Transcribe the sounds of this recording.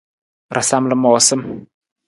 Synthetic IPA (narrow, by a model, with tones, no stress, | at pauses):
ɾʔa˨sa˦mlə˦˨mɔː˨sə˦m